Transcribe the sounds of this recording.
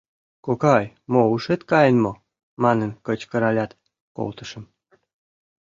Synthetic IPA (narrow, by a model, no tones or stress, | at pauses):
kokɑj | mouʃet̪kɑjənmo | mɑnənkə̆t͡ɕkə̆ɾɑlʲɑt̪ | ko̰lt̪ə̥̆ʃə̆m